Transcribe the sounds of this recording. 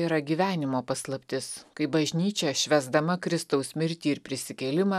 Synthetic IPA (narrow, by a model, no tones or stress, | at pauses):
iːɾɐɡʲiːʋʲæːnʲɪmoːpɐslˠɐpʲt̪ʲɪskɐɪbɐʒʲnʲiːt͡ʃʲɛʃʲʋʲæzd̪ɐmɐkɾʲɪst̪ɐʊsmʲɪɾʲt̪ʲiːɪɾpʲɾʲɪsʲɪkʲɛːlʲɪmɑː